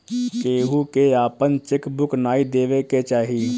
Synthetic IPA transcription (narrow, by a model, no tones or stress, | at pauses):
keːɦukeaːpənt͡ʃɪkbʊknaːid̪eːʋeket͡ʃaːɦi